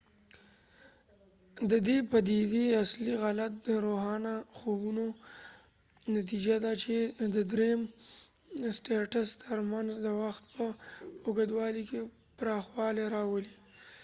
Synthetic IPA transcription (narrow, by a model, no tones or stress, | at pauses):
d̪əd̪epad̪id̪iasliɣalat̪̚d̪əɾoɦɑnaxobuno | nat̪̬id͡ʒad̪at͡ʃed̪əd̪ɾejm | sʈeʈast̪ʰəɾmanzd̪əwaxt̪̚pəʊɡad̪wɑlike | pɾɑxwɑleɾɑwəli